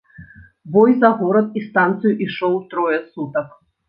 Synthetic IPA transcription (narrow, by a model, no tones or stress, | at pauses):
bɔjzɐɣɔɾɐt̪̚ist̪ant̪sɨjuʔiʂɔwt̪ɾɔjɛsut̪ɐk